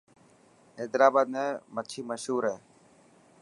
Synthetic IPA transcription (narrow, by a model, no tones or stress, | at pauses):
ɦeːd̪ɾaːbaːd̪nɛ̃ːmət͡ʃʰiːməʃɦuːɾɦɛː